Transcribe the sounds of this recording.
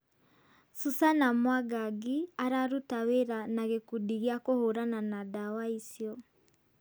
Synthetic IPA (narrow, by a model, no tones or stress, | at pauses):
susanamwaɡaɡiaɾaɾutaweɾanaɣekudiɣiakohoɾananadawaisjɔ